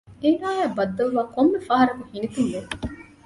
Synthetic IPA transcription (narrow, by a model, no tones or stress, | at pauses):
enaːjæːbɐd̪ːɐlʋaːkomːefaɦɐɾɐkuhinit̪unʋe